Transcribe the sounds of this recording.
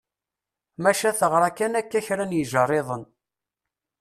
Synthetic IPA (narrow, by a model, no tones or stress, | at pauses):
mæʃæθəʁɾˤakːænækːæçɾænjəʒərˤːeðˤən